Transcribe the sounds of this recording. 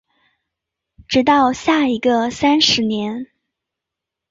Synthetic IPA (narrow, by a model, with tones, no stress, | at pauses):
ʈ͡ʂɻ̩˧˥t̪̬ɑ˥˧ʊɕja˥˩i˧˥ɡə˧sa˥nʂɻ̩˧˥njɛ˧˥n